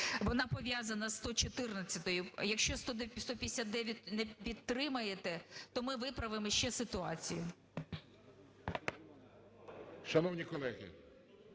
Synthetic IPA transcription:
ʋɔnɑpɔʋʲjazɐnɐst̪ɔt͡ʃɔt̪ɪrnɐt͡sʲːɐt̪ɔjʊjɐkʃt͡ʃɔst̪ɔd̪st̪ɔpʲjɪsʲat̪̚d̪ɛʋʲjɐt̚ʲnɛpʲid̪̚t̪ɾɪmɐjet̪ɛt̪ɔmɪʋɪpɾɐʋɪmɔʃt͡ʃɛsɪt̪ʊɑt͡sʲijʊ | ʃɐnɔwnʲikɔlˠɛɣʲḭ

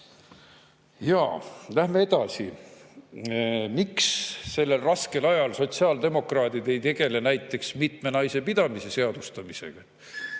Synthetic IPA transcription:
jɑːlæhmeed̪̥ɑsḭ | miksːe̞lːe̞lrɑske̞lɑjɑlso̞t̪siɑːld̪e̞mo̞krɑːt̪id̪e̞jt̪e̞ɡ̥e̞le̞næjt̪ːˑe̞ksmit̪me̞nɑjse̞pid̪̥ɑmise̞se̞ɑd̪̥ust̪ɑmise̞̰ɡ̥ɑ

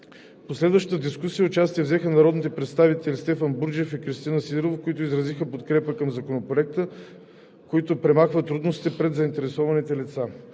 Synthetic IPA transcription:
poslɛd̪vəʃt̪ə̥t̪əd̪iskusijəʊt͡ʃast̪iəvzɛxənɐɾɔd̪nit̪ɛpɾɛt̪st̪avit̪ɛlist̪ɛfənbuɾd͡ʒɛfikɾist̪inəsid̪ɾovkoit̪ʊizɾɐzixəpot̪kɾɛpəkəmzɐkonopɾoɛk̚t̪ə | koit̪ʊpɾɛmaxvət̪ːɾud̪nosit̪ɛpɾɛd̪zəint̪ɛɾɛsɔvɐnit̪ɛlit̪sa

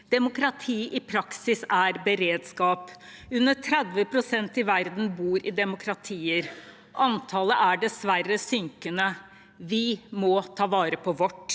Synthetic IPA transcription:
d̪̥ɛmʊkɾɑt̪ʰiːʔɪpʰɾɑksɪsæɾbəɾeːd̪skɑːpʉnːəʈʰɾɛd̪ʋəpʰɾʊsɛnt̪ɪʋæɾd̪n̩buːɾɪd̪ɛmʊkʰɾɑt̪ʰiːəɾ | ʔɑnt̪ʰɑːləʔæɖɛsʋæɾəsʏŋkənə | ʋɪmɔt̪ʰɑːʋɑːɾəpʰɔʋɔʈː

